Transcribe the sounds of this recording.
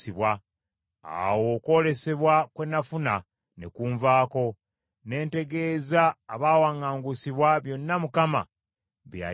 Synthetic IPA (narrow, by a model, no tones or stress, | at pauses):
iβwa | a̰wo̞ko̞ːle̞se̞βwakwenafuna | nekuːɱvaːko̞ | ne̞ːnte̞ɡe̞ːzaːβaːwaːŋaːŋɡusiβwaβjo̞nːamukama̰ | βja̰